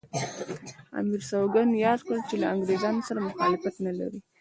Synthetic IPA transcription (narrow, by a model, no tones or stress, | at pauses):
a̰miɾsawɡanjɑd̪kəlt͡ʃelaaŋɡɾezɑnosaɾamʊxɑlɪfat̪nala̰ɾi